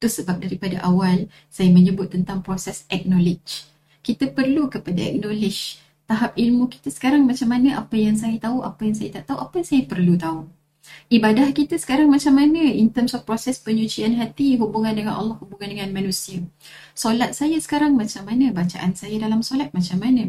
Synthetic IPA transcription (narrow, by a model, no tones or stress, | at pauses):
t̪usəbap̚daɾipadaʔawal | sajaməɲəbʊt̪ːənt̪aŋpɾosɛsɛk̚nɔ̃lɪd͡ʒ | kit̪apərlukəpadaɛ̰k̚nɔ̃lɪd͡ʒ | t̪aɦap̚ilmũki̥t̪asə̥kaɾaŋmat͡ʃamːanəʔapajaŋs̬ajat̪auʔapajaŋs̬ajat̪aʔt̪auʔapajaŋsajapərlut̪au | ibadahkit̪asə̥kaɾaŋmat͡ʃamːanəint̪əmsɔfpɾosɛspəɲũt͡ʃianɦat̪iɦubuŋandəŋanʔɑ̰lːɔhubuŋandəŋãnmanũsiasolat̪̚sajasə̥kaɾaŋmat͡ʃamːanəbat͡ʃaʔansajadalamsolat̪̚mat͡ʃamanə̃